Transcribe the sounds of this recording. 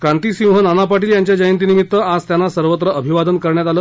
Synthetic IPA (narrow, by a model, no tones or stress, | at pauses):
kɾant̪isĩw̃ɦənanapaʈiːljaɲt͡ɕjad͡ʑəjənt̪inimit̪ːəad͡zt̪janːasəɾʋət̪ɾəəbʱiʋad̪ənkəɾɳjat̪aləː